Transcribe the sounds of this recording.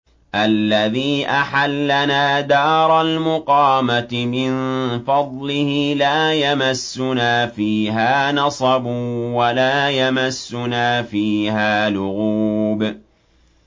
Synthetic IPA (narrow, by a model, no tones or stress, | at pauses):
ʔalːaðiːʔaħalːanaːd̪ɑːɾˤɑlmʊqɑːmat̪ɪmɪnfɑd̪ˤlɪhɪlaːjamasːʊnaːfiːɦaːnɑsˤɑbʊwalaːjamasːʊnaːfiːhaːlʊɣuːb